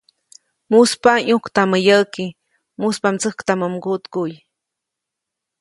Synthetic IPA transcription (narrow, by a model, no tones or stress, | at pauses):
muspaɲukt̪aməjəʔki | muspamt͡səhkt̪aməmɡut̪kuj